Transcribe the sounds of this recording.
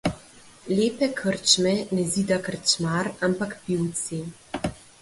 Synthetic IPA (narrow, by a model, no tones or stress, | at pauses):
leːpɛkʰəɾt͡ʃmɛnɛziːd̪akəɾt͡ʃmaɾampakpiwt̪si